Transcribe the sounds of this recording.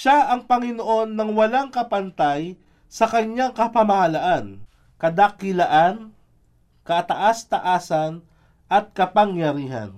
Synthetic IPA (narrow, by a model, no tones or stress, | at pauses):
ʃaʔɐŋpɐŋɪnoʔo̞nːɐŋwɐlaŋkɐpɐnt̪aj | sɐkɐɲːaŋkɐpɐmɐhɐlaʔan | kɐd̪ɐkɪlɐʔan | kɐʔt̪ɐʔast̪ɐʔaːsɐn | ʔɐt̪̚kɐpɐŋjɐɾiːɦɐ̰n